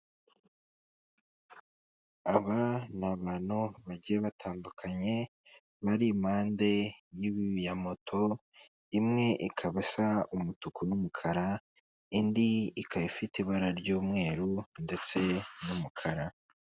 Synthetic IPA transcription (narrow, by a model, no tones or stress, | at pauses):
aβanaβanuβaɟieβatʰaːmbukʰaɲe̞ | βaɾimaːnde̞jiβijamo̞tʰo̞ | imŋe̞ʔikʰaβasaumutukunumukʰaɾa | indiikajifiteβaɾaɾɟuːmŋe̞ːɾunde̞t͡se̞numukʰaɾa